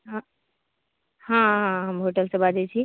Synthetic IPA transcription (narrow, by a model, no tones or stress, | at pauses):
ɦã | hãɦãɦəmɦoʈəlsẽbad̪ɛt͡ʃʰi